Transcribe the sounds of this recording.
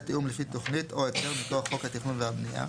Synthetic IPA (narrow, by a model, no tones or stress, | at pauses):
t̪iumliʃit̪ːo̞χnit̪oeteʁmitoχːo̞khat̪iχnunvehabnija̰